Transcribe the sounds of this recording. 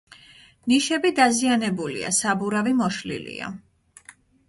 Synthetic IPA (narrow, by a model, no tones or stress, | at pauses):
niʃɛbid̪azianɛbulḭa̰sabuɾavimɔʃlḭlḭa̰